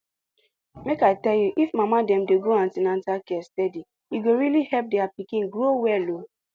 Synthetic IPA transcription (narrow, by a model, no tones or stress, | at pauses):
mekaɪtɛljuʔifmamadɛ̃mdeɡoãntinãntakɛstɛdi | iɡoɹilihɛp̚dɛapikĩnɡɹowɛlo